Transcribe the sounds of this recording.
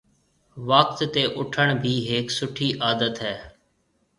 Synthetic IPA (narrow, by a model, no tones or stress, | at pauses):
ʋək̚t̪ːeːʔʊʈʰəɳbʱiːɦeːksʊʈʰiːʔaːd̪ət̪ɦɛː